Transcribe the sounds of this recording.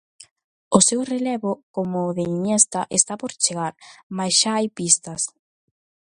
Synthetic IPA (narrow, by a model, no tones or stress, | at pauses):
ʊsewrelɛβʊkomʊðeniɲest̪ɐʔest̪apoɾt͡ʃeɣaɾmajsʃaajpist̪ɐs